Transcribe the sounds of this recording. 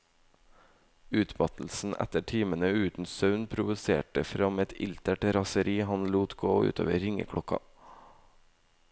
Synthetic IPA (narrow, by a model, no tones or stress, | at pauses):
ʉːt̪mɑt̪l̩sn̩ʔæ̰t̪əʈʰiːmənəʉːt̪n̩sɑʉnpʰɾʊʋʉsḛːʈəfɾɑmɛt̪ɪ̰lt̪əʈɾɑsəɾiːhɑnluːt̪ɡoːʉ̰ːt̪ʰø̰ːʋəɾɪŋə̰kʰɽɔkɑ̰